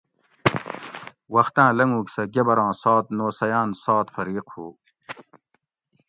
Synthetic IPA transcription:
wɐxt̪ãːlɐŋũːksɐɡebɐɾãːsaːt̪̚noːsɐjaːnsaːt̪fɐɾiːqhṵː

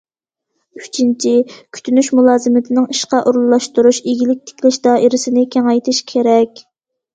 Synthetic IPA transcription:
y̥t͡ʃʰint͡ʃʰikʲʰy̥t̪ʰynyʃmulˠɑːzɨmɪt̪ʰɪnɪŋiʃqɑʔuɾlˠlːˠɑʃt̪uɾuʃeɡʲilɪk̚ʲt̪ʰe̥kʲlɪʃd̪ɑːʔiɾɪsɪnɪkʲʰæŋɑjt̪ʰɨʃkʲʰeɾɛkʲ

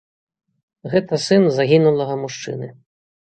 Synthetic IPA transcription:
ɣɛt̪ɐsɨnzaɣʲinulˠɐɣɐmuʂt͡ʂɨ̰nɨ

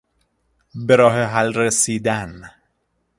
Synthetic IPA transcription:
beɾɒːɦeɦælɾesiːd̪æn

